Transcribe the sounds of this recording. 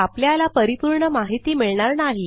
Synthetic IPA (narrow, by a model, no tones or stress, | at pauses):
apljalapəɾipuɾɳəmaɦit̪iːmiɭɳaɾnaɦi